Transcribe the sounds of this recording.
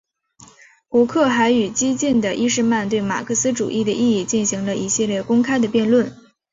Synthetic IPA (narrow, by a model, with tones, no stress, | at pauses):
kɔ˧˥kʰɤ˥˩xa˧˥ɪy˨˩t͡ɕi˥t͡ɕi˥˩nd̪ə˩ʔi˥ʂɻ̩˥˧ma˥˧nt̪we˥˩ɪma̰˨˩kʰɤ˥˩sɹ̩˥ʈ͡ʂṵ˨˩ʔi˥˩d̪ə˩ʔi˥˧i˥˧t͡ɕi˥˩nɕi˧˥ŋlə˧ʔi˧˥ɕi˥˧ljɛ˥˩kʊ˥ŋkʰa˥ɪd̪ə˨pjɛ˥˧nlwə˥˩n